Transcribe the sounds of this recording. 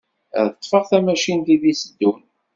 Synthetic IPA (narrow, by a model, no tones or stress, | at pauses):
ðt̪ˤːfəʁθæmæʃint̪iðisəd̪ːun